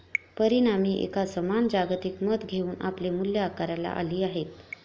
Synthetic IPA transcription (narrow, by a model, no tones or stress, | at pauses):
pəɾinamiːʔḛkasəmand͡ʑaɡt̪ikməd̪ɡʱeuːna̰plemuljaakaɾala̰ʔa̰liːaɦet̪